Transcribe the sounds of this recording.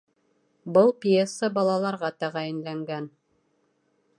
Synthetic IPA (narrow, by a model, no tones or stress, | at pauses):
bɤlˠpʲjesːəbɑlˠɑlˠɑɾʁɑt̪æʁæjɘ̆nlæŋɡæn